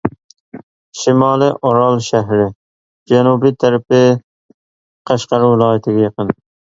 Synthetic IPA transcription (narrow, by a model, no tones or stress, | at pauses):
ʃɪmɑːlɪʔoɾɑlˠʃæɦɾɪ | d͡ʒænubit̪ʰaɾpɪ | qʰɑʃqɑɾuwɪlˠɑːjat̪ʰɪɡʲajɑqɨn